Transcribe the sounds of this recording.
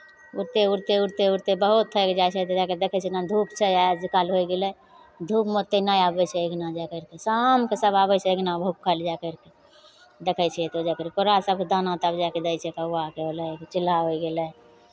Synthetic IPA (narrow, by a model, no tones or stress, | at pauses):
uɾt̪euɾt̪euɾt̪euɾt̪ebəɦut̪ʰːəked͡ʒajt͡ʃʰɛt̪od͡ʒaked̪ekʰɛt͡ʃʰɛnad̪ʱupt͡ʃʰɛjad͡ʒikalɦoiɡelɛ | d̪ʱupmot̪ːenajabɛt͡ʃʰɛeɡnad͡ʒakəɾkesamkesəbabət͡ʃʰɛeɡnabəut̚kʰəld͡ʒakəɾke | d̪ekʰɛt͡ʃʰɛjet̪od͡ʒakəɾkekoɾasəb̚ked̪ʱanat̪abd͡ʒaked̪əjt͡ʃʰɛkaakeɦolɛkt͡ʃɪlaɦoiɡelɛ